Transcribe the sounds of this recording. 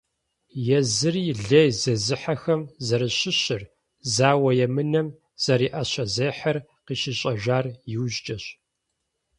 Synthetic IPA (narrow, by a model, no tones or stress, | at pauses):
jɛzɨrɮɐjzɐzɨħɐxɐmzɐɾɨɕɪɕɪr | zaːwɐjɛmɨnɐm | z̥ɐɾiːʔɐɕɐzeːħɐr | qiːʃɪɕʼɐʒaːrjɪwʑt͡ʃʼɐɕ